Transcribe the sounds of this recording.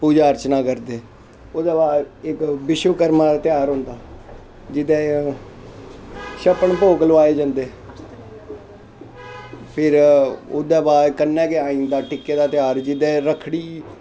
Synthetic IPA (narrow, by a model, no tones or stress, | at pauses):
puːd͡ʒaːəɾt͡ʃnaːkəɾd̪eː | od̪aːbaːdɪkbɪʃʋəkəɾmaːd̪aːt̪ɪjaːɾɦʊ̃ːnd̪aː | d͡ʒɪd̪ɛː | ʃəpəɳpoːklʊʋaːeːd͡ʒãːnd̪eː | pʰɪɾoːd̪aːbaːɾkənːɛ̃ːkeaːiːnd̪aːʈɪkːeːd̪aːt̪ɪjaːɾd͡ʒɪd̪ɛ̃ːɾəkʰɽiː